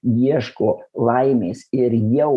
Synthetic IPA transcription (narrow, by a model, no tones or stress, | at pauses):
jiɛʃkoːlˠɐɪmʲeːsɪɾjɛʊ